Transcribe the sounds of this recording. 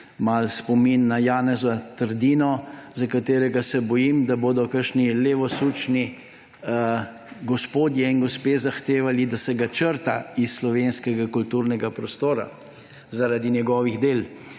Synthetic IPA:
malspɔminːajaːnɛzat̪əɾd̪iːnɔzakat̪eːɾɛɡasɛbɔjimd̪aboːd̪ɔkəɾʃnileːʋɔsuːt͡ʃni | ɡɔspoːd̪jɛinɡɔspeːzaxt̪eːʋalid̪asɛɡat͡ʃəɾt̪a̰isslɔʋenskɛɡakult̪uɾnɛɡapɾɔst̪oːɾa̰ | zaɾad̪injɛɡɔːʋiɣd̪eːl

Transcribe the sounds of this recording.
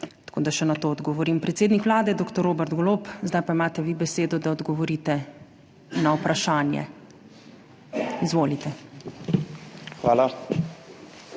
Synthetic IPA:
t̪ḁkod̪aʃɛnat̪oːɔd̪ɡɔʋɔɾimpɾɛt̪seːd̪nikʋlaːd̪ɛd̪oːkt̪ɔɾoːbɛɾd̪ɡɔloːpzd̪ajpaimaːt̪ɛʋibɛseːd̪ɔd̪aɔd̪ɡɔʋɔɾit̪ɛ | nawpɾʔaʃaːnjɛ̰ | izʋoːlit̪ɛ | xʋa̰ːla

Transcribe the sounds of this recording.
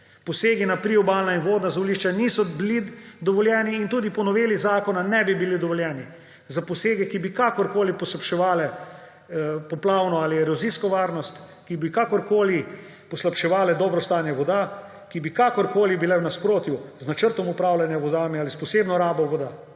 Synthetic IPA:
pɔseːɡinapɾiɔbaːlnainʋoːd̪nazɔliʃt͡ʃaniːsɔbilid̪ɔʋɔljɛːniːnt̪uːd̪ipɔnɔʋeːlizaːkɔnanɛbibilid̪ɔʋɔljɛːni | zapɔseːɡɛkibikakɔɾkoːlipɔslapʃɛʋaːlɛ | pɔplaːwnɔaliɛɾɔziskɔʋaːɾnɔst̪kibikakɔɾkoːli | pɔslapʃɛʋaːlɛd̪ɔːbɾɔst̪aːnjɛʋɔd̪a | kibikakɔɾkoːlibilɛwnaspɾoːt̪juznat͡ʃəɾt̪ɔmupɾaːwlanjaʋɔd̪aːmialispɔseːbnɔɾaːbɔʋɔd̪a

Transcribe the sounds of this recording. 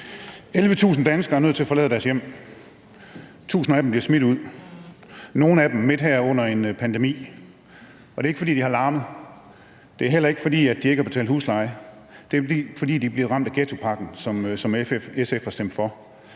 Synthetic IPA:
elʋət͡sʰṵːsn̩d̥ænsɡ̥ɐæɐnøð̰ˠt͡sʰe̝æɐfɒ̽lɛ̰ð̰ˠd̥æɐsjem̰ | t͡sʰṵːsn̩æd̥em̩bliɐsmid̥uð̞̰ˠ | no̝ːn̩æd̥emme̝d̥ɦæɐ̰ɔ̽n̰ɐe̝npʰænd̥emḭː | ɒde̝eɡ̥fɒdḭːd̥ihɑ̈lɑ̈ːməð̩ˠ | d̥e̝æɐɦel̰ɐe̝ɡ̥ə̥fɒ̽d̥ḭːæd̥ie̝ɡ̥hb̥et͡sʰɛ̰ːld̥hṵːslɑ̈ɪ | d̥e̝d̥ḭːfɒ̽d̥ḭːd̥ib̥liɐʁɑ̈m̰d̥æɡ̥et͡sʰo̝pʰɑ̈ɡ̥n̩sɒ̽msɒ̽mesefhɑ̈sd̥em̰d̥fɒ̽

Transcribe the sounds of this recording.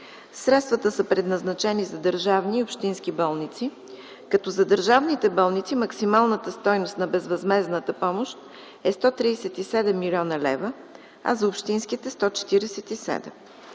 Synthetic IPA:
sɾɛt̪st̪vət̪əsəpɾɛd̪nɐznɐt͡ʃɛnizɐd̪əɾʒavniːʊpʃt̪inskibɔlˠnit̪si | kɐt̪ɔzɐd̪əɾʒavnit̪ɛbɔlˠnit̪siməksimalˠnət̪əst̪ɔjnost̪nɐbɛzvɐzmɛznət̪əpɔmoʃt̪ | ɛst̪ɔt̪ɾiːsɛt̪isɛd̪ɛmːilʲɔnəlɛ̰və | ɐ̰zɐʊpʃt̪inskit̪ɛst̪ɔt͡ʃɛ̥t̪iɾɛsɛt̪isɛ̰d̪ɛ̰m

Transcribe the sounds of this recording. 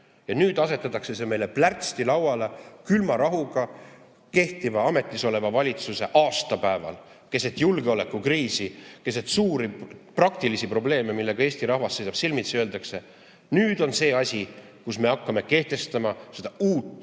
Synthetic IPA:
jɑnyːd̪̥ɑse̞t̪ːˑɑt̪ːˑɑkse̞s̬e̞me̞jleplært̪st̪ilɑwɑlekylmɑɾɑɦuɡ̥ɑ | ke̞ht̪ivɑɑme̞t̪ˑːiso̞le̞vɑvɑlʲit̪suse̞ʔɑːst̪ɑpæevɑ̰l | ke̞set̪julɡeo̞le̞kːˑukriːsike̞s̬et̪suːɾiprɑk̚t̪ilisipro̞ble̞ːmemilːe̞ɡ̥ɑe̞ːsʲt̪iɾɑhvɑsːejsɑb̥silmit̪søld̪ɑkse̞ | nyːd̪̥o̞nse̞ːɑsʲi | kusme̞ɑkːɑme̞ke̞ht̪e̞st̪ɑmɑse̞d̪̥ɑuːt̪ːˑ

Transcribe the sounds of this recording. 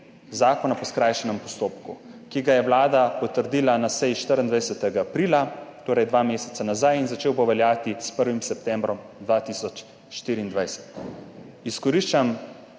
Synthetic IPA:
zaːkɔnapɔskɾajʃɛnɛmpɔst̪oːpkukiɡajɛwlaːd̪apɔt̪əɾd̪iːlanasɛjiʃt̪əɾənd̪ajsɛt̪ɛɡaːpɾiːlat̪oːɾɛjd̪ʋamesɛ̥t̪sanazajinzat͡ʃeːwboʋɛljaːt̪ispəɾʋimsɛp̚t̪ɛmbɾɔm | d̪ʋaːt̪isɔt͡ʃ | ʃt̪iːɾiːnd̪ʋajsɛ̥t̪ | iskɔɾiʃt͡ʃam

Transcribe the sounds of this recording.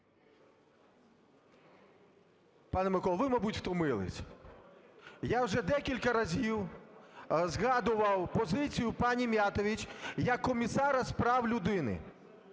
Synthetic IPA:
pɑnɛmɪkɔlˠʋɪmɐbutʲxt̪ɔmɪlˠɪ̰sʲ | jawʒɛd̪ɛkʲilʲkɐɾɐzʲiw | zɣɑd̪ʊʋɐwpɔzɪt͡sʲijʊpɑnʲimʲjat̪ɔʋʲit͡ʃjɐkːɔmʲisɑɾɐspɾɑwlʲʊd̪ɪnɪ̰

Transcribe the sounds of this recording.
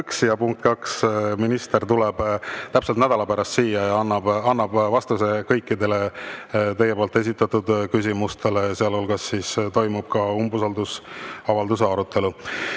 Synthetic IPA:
ksjɑpuŋk̚t̪kɑksminist̪e̞rt̪ulɛb̥t̪æpselt̪næd̪ɑlɑpæɾɑst̪siːjɑjɑɑnːɑb̥ɑnːɑb̥vɑst̪use̞kɤjkːid̪e̞le̞t̪ejepoːlt̪ːˑe̞s̬it̪ːˑɑt̪ud̪kys̬ʲimust̪ʰe̞leseɑlolɡɑsːist̪o̞jmub̥kɑumbusɑld̪usɑvɑld̪use̞ɑɾut̪ːˑe̞lu

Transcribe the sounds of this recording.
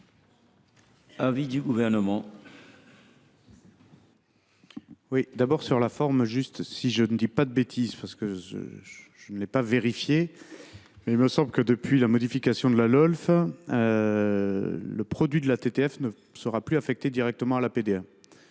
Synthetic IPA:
avid̪yɡuvɛʁnəmɑ̃ | wid̪abɔʁsyʁlafɔʁmʒyst̪siʒənəd̪ipad̪əbet̪ʰizpaʁsə̥kəʒə̰ʒ̥ənəlɛpaveʁifje | mɛilməsɑ̃bləkəd̪əpɥilamɔd̪ifikasjɔ̃d̪əlalɔlfø | ləpχɔd̪ɥid̪əlat̪et̪eɛfnə | səʁaplyafɛk̚t̪ed̪iʁɛk̚t̪əmɑ̃alaped̪ea

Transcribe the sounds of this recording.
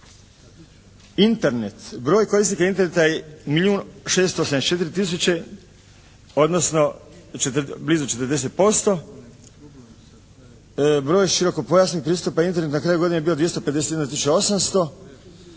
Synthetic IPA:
int̪eɾnet̪bɾo̞ːjko̞ɾisnikaint̪eɾnet̪ajemilʲjuːnʃe̞ːst̪oosameet͡ʃe̞t̪iɾit̪is̬ut͡ɕe | o̞d̪nosno̞t͡ʃet̪blizut͡ʃe̞t̪əɾd̪e̞s̬e̞t̪̚po̞st̪o̞ | bɾo̞ːjʃiɾo̞ko̞po̞jasniɡk̚pɾiːst̪upaint̪eɾnet̪nakɾajuɡo̞d̪inebiod̪ʋjest̪oped̪eset̪jed̪nat̪isut͡ʃao̞samst̪o̞

